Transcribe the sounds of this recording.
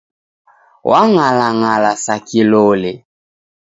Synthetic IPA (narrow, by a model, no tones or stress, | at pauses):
wʔaŋalaŋalasakilole